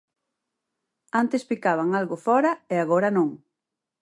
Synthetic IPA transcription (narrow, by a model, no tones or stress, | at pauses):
ant̪espikaβ̞aŋalɣʊfɔɾɐeaɣoɾɐnõŋ